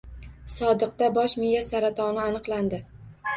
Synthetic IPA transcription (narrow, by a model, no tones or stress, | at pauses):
sɒd̪ɨqd̪abɒʃmɪjasaɾat̪ʰɒnɪanɨqlˠand̪ɪ